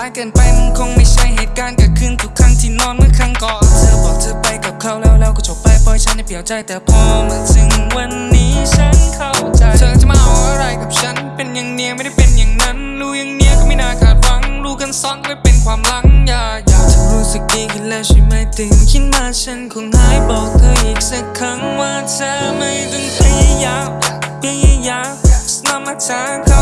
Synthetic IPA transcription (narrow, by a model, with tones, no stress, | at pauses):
aː˧jkɤː˧npa˨˩jma˧˥˨nkʰo˧ŋma˧˥˩jt͡ɕʰa˥˩jheː˨˩t̪̚kaː˧nka˨˧˩kʰɯː˧˥˩nt̪ʰu˨˩kʰːa˧˥ŋt̪ʰiː˧˩nɔː˧˥˨nmɯ˥˩ɐkʰa˧˥˨ŋkɔː˨˩nt̪ʰa˦˧˩wbɔː˨˩k̚t͡ɕ̪a˧pa˧˩jka˨˩p̚kʰa˥˩wlɛː˧˩wlɛː˧˥wkʰɔː˧˩t͡ɕʰo˨˧˩p̚pa˧˩jpʰɔ˧ht͡ɕʰa˦˥nha˧˥˩jpliː˧˩˦wt͡ɕa˧˩jt̪ɛː˨˩pʰɔː˧mɯ˧əŋsɯ˨˩˦ŋwa˧nːiː˦˥t͡ɕʰa˦˥nkʰa˧˥˩wt͡ɕa˨˧˩jt͡ɕʰɤː˧˩t͡ɕa˨maː˧ʔa˧˩wʔa˧ɾa˧˩jka˨˩p̚t͡ɕʰa˦˥npe˧njaː˨˩ŋni˧˥˨ma˥˩˨da˥˩jpe˧˨njaː˨˩ŋna˦˥n | luː˦˥jaː˨˧˩ŋni˧˩əkʰɔː˧˩ma˥˩˨naː˧˩kʰaː˨˩t̪̚wa˧˥ŋɾuː˦˥ka˧nsɔ˧˥nkɔ˧˥˩a˧˥˩pe˧˩nkʰwaː˧mla˧˥ŋjaː˧˩a˨˩t͡ɕʰa˧˩nɾuː˦˥sɯ˨˩k̚ɗiː˧kʰi˨˩nlɛː˧˩wt͡ɕʰi˧˩ma˧˩jt̪ɯː˨˩ŋkʰi˧˥t̪̚maː˧˩t͡ɕʰa˦˥nkʰo˧nha˧˩jbɔː˨˩k̚t̪ʰoː˧˩jʔiː˨˩k̚sa˧kʰa˧˥ŋwaː˧˩t͡ɕa˧ma˧˩jt̪ɯ˧ŋkli˧jaː˧˩ka˨˩pli˧˩jaː˧˩ka˨˩sa˧na˧mʔa˧t͡ɕaː˧˦kʰa˧